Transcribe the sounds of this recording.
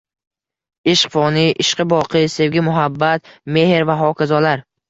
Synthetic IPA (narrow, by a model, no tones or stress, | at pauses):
ɪʃqfɒnɪʔɪʃqɨbɒqʰɨse̞vɡʲɪmʊɦabːat̪me̞hɾvaɦɒkʲʰazɒlaɾ